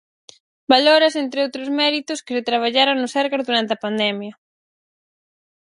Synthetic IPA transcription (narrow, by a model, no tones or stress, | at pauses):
baloɾɪsent̪ɾɪowt̪ɾʊzmɛɾit̪ʊskɪsɪt̪ɾaβ̞aʎaɾoŋnʊsɛɾɣaɾðuɾant̪eɐpand̪ɛmjɐ